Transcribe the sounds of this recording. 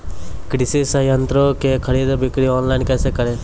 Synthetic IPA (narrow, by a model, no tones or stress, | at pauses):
kɽisisɐjɐnt̪ɾokekʰəɽid̪bikɽiɔːnlaɪnkɛːsekɐɾe